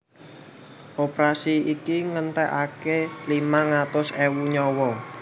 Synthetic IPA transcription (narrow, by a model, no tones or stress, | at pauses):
ʔopɾasiikiŋənt̪ɛʔakelimaŋat̪ʊsewuɲɔwɔ